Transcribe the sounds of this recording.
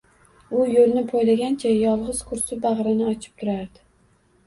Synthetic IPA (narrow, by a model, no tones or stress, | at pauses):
ʊjolnɪpʰojlaɡʲant͡ʃʰajɒlˠʁɨz̥kʰʊɾsʊbaʁɾɪnɪɒt͡ʃʰɪ̥p̚t̪ʰʊɾaɾd̪ɪ